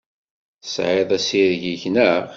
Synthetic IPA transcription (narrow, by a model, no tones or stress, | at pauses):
sʕɪðˤæsiɾʝiçnə